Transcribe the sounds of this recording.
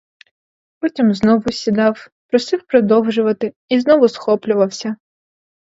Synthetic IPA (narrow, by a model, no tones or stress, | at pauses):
pɔtʲimznɔʋʊsʲid̪ɑwpɾɔsɪwpɾɔd̪ɔwʒʊʋɐt̪ɪ | iznɔʋʊsxɔplʲʊʋɐwsʲɐ